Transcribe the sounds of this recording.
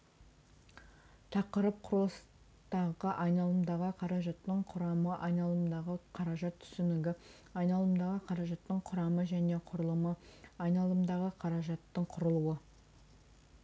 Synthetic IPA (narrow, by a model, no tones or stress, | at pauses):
t̪ʰɑqəɾəp̚qʰʊɾlˠəs | t̪ɑʁəʔɑjnɑlˠəmd̪ɑʁəqʰɑɾɑʒɑt̪ːəɴqʰʊɾɑməʔɑjnɑlˠəmd̪ɑʁəqʰɑɾɑʒɑt̪ʰʏ̥sɪnɪɡʲɪ | ɑjnɑlˠəmd̪ɑʁəqʰɑɾɑʒɑt̪ːəɴqʰʊɾɑməʒæne̞qʰʊɾəlˠəməɑjnɑlˠəmd̪ɑʁəqʰɑɾɑʒɑt̪ːəɴqʰʊɾəlˠuə